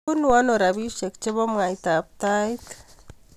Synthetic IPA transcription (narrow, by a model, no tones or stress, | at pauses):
unuanoɾaβiʃek̚t͡ʃeβomŋajt̪ap̚t̪ajt̪